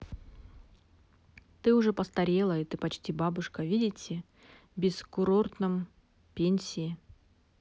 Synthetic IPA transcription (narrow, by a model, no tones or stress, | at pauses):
t̪ɨʊʐɛpəst̪ɐɾʲe̞lˠəit̪ɨpɐt͡ɕtʲibabʊʂkəvʲidʲɪtʲɪ | bʲɪskʊɾo̞rt̪nɨm | pʲenʲsʲɪɪ